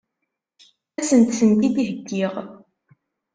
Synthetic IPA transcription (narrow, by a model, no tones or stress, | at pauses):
æsənt̪θənt̪id̪iɦəɡːiʁ